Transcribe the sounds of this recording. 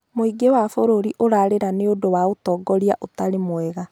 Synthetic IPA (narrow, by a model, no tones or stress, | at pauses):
moiɡewafoɾoɾiʔoɾaɾeɾaneodowaotɔːɡɔɾiaʔotaɾemwɛɣa